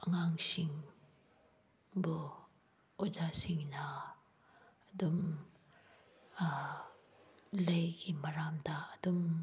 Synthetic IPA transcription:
ɐŋaŋsiŋ | bu | ud͡ʒasiŋna | dum | lɐjɡimɐɾamdaːd̪um

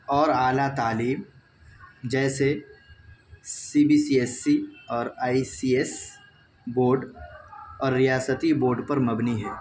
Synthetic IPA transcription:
ɔːɾaːlat̪aːliːm | d͡ʒɛːse | siːbiːsiɛsːiɔːɾaːisiːes | boːɾɖ | ɔːɾːijaːsət̪iboːɾɖpɐɾmɐbniɦɛː

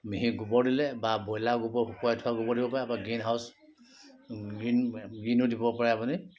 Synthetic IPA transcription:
miɦiɡubɔɹdilɛbabɔjlaɡubɔhupɔjɔtʰʊaɡubɔɹdibɔpaɹɛapaɡinɦaws | ɡinɡinudibɔpaɹɛapuni

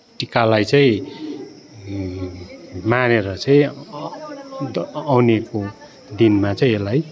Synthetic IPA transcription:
ʈikalajt͡sʌĩ | maneɾʌt͡sʌĩ | awneko | d̪inmat͡sʌĩelaj

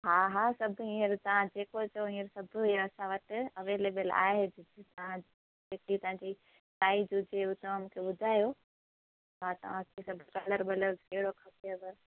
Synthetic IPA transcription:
ɦaːɦaːsɐbʱʊɦĩːəɾt̪ɐʋ̤ãd͡ʑeːkot͡ɕɐoɦĩːəɾsɐbʱʊɐsãʋɐʈɪ̆ɐʋeːleːbəla̰ːɦed͡ʑɪd͡ʑt̪ɐʋ̤ã | d͡ʑeːkit̪ɐʋ̤ãɲd͡ʑi | taːid͡ʑud͡ʑeʊt̪ɐmũkʰeɓʊd̪ʱaːjo | ɦaːt̪ɐ̰ʋ̤ãkʰesɐbʱʊkɐləɾbɐləɾkɐɦɪɽokʰɐpeɐbəɾ

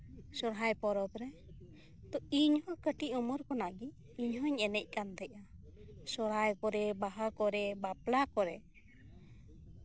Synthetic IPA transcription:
sɔɾɦajpɔɾɔbɾɛ | t̪ɔiɲhɔkəʈiʔɔmɔɾkɔnaɡi | iɲɦɔɲɛnɛc̚ˀkant̪ɛc̚a | sɔɾɦajkɔɾɛbaɦakɔɾɛbaplakɔɾɛ

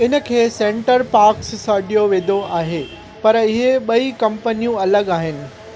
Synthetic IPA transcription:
ɪnə̆kʰeːsẽːɳʈəɾpaːɾksːɐɖijoʋẽːd̪ʱoaːɦeː | pɐɾɪɦeɓɐikɐ̃mpənijũɐləɡaːɦɪnɪ̆

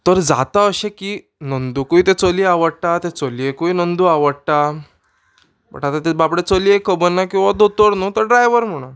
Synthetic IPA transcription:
t̪əɾd͡za̰t̪aəɕekiː | nənd̪ukuit̪et͡soliaʋəɽʈat̪et͡soliekuinənd̪uaʋəɽʈa | bə̰ʈat̪at̪ebapɽet͡səliekːəbənːakĩw̃ʋad̪ot̪əɾnot̪əɾɖɾajʋəɾm̤əɽ̃a

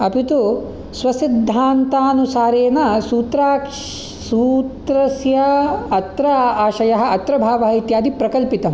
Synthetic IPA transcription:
ɐpit̪u | sʋɐsid̪ʱːaːnt̪aːnusaːɾeːnɐsuːt̪ɾaːk | suːt̪ɾɐsjɐɐt̪ɾɐaːʃɐjɐɦɐ̆ɐt̪ɾɐbʱaːʋɐɦɐit̪jaːd̪ipɾɐkɐlpit̪ɐm

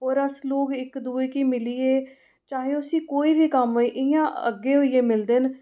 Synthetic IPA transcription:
ɦoːɾəsloːɡɪkd̪uːeːkiːmɪliːeː | t͡ʃaːɦeːʊsĩːkoːiːbiːkəmiːʔɪjãːʔə̰ɡːeːɦoːiːeːmɪld̪eːn

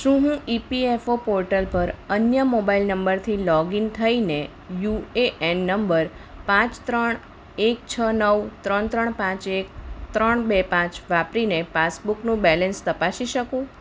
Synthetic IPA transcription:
ʃũɦũipiefopoɾʈəlpəɾənjəmobailnəmbəɾt̪ʰilɔɡint̪ʰəine | jueʔenːəmbəɾpãt͡ʃt̪ɾəɳ | ek̚t͡ʃʰənəʋt̪ɾəɳt̪ɾəɳpãt͡ʃek̚t̪ɾəɳbepãt͡ʃʋapɾinepasbuknũbɛlɛ̃nst̪əpaʃiʃəkũ

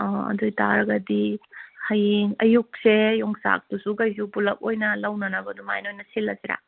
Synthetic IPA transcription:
ɔɐ̰dojtaɾɐɡɐdihɐjŋɐjuk̚sejɔŋsa̰k̚dusukɐjs̬upulɐk̚ojnɐlɐwnɐnɐbɐdumajnojnɐsilːɐsiɾa̰

